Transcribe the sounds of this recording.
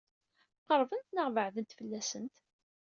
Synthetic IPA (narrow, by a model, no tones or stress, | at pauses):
qəɾˤvənt̪nəʁvəʕðənt̪fəlːæsənt̪